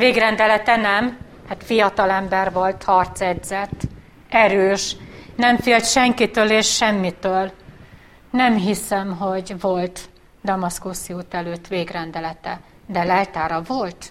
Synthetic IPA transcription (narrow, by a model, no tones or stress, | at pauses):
veːɡɾɛnd̪ɛlɛt̪ɛnɛm | haːt̪fijɒt̪ɒlɛmbɛrvo̞lt̪hɒrt̪sɛd̪zɛt̪ː | ɛɾøːʃnɛɱfeːlt̪ʃɛŋkit̪øːleːʃːɛmːit̪øːl | nɛmɦisɛmɦo̞ɟvo̞lt̪ | d̪ɒmɒskoːsiuːt̪ɛløːt̪ːʋeːɡrɛnd̪ɛlɛt̪ɛ | d̪ɛlɛlt̪aːɾɒvo̞lt̪